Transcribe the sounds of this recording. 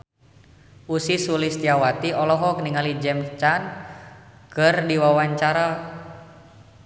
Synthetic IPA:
ʔusisulist̪iawat̪iʔɔlɔɦɔk̚niŋalid͡ʒɛmt͡ʃan | kɨrdiwawaɲt͡ʃaɾa

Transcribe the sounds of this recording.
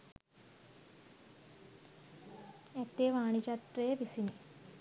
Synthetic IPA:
et̪ːeʋaːɳit͡ʃɐt̪ɾɐjeʋisini

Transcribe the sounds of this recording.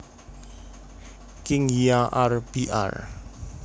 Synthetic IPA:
kɪŋiaʔarb̥iʔa̰r

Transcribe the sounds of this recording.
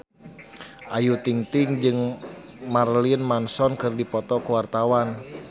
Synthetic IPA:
ʔajut̪iŋt̪iŋd͡ʒɨŋmarliənmansɔnkɨrdipɔt̪ɔkuwart̪awan

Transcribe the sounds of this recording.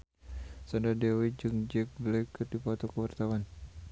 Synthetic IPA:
sandadɛwid͡ʒɨŋd͡ʒɛk̚blɛkːɨrdipɔt̪ɔkəwart̪awan

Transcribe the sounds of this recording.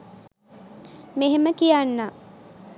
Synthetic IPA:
meɦeməkijanːa

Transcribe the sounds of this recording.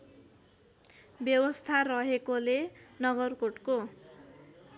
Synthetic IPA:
bjʌwʌst̪ʰarʌɦekolenʌɡʌrkoʈko

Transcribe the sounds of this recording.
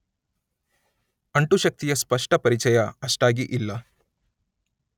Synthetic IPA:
ɐɳʈuʃɐk̚t̪ijɐspɐʂʈɐpɐɾit͡ʃɐjɐɐʂʈaːɡiʔilːɐ

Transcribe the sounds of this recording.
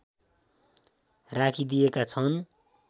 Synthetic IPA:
rakʰid̪ijekat͡sʰʌn

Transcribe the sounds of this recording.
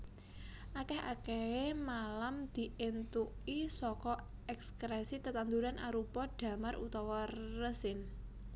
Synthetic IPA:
ʔakɛhakɛemalamd̪̥i̤ʔent̪uʔisɔkɔ | ɛkskɾɛsit̪ət̪and̪uɾanʔaɾupɔɖ̥ä̤marʔṵt̪ɔwɔrəsɪn

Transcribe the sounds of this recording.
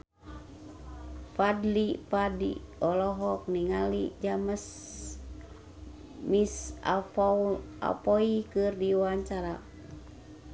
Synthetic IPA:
padlipadḭɔlɔɦɔk̚niŋalid͡ʒaməs | misa̰ | a̰pɔikɨrdiwaaɲt͡ʃaɾa

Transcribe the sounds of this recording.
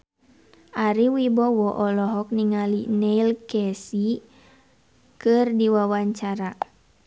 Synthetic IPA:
aɾiwibɔwɔʔɔlɔɦɔk̚niŋalinɛilkɛsi | kɨrdiwawaɲt͡ʃaɾa

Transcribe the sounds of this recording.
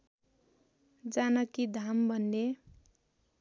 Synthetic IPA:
d͡zanʌkid̪ʱambʱʌnːe

